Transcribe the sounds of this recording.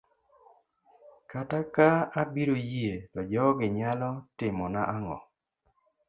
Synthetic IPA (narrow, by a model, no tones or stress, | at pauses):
katakaabiɾojetɔd͡ʒɔɔɡɪɲalɔtɪmɔnaʔaŋɔ̰